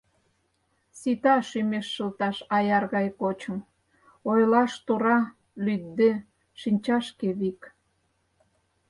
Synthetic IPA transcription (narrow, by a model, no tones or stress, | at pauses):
sit̪ɑʃymeʃːəlt̪ɑʃɑjɑrɣɑjkot͡ɕə̆m | ojlɑʃt̪uɾɑ | lyd̪d̪ːe | ʃinʲt͡ɕɑʃkeβik